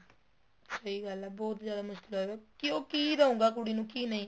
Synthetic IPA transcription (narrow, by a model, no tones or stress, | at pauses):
səiːɡəlabɔːt̪zjaːd̪aːmʊʃkɪloːɛekɪoːkiːɾəõːŋɡaːk̬ʊɽiːnũːkiːnəĩː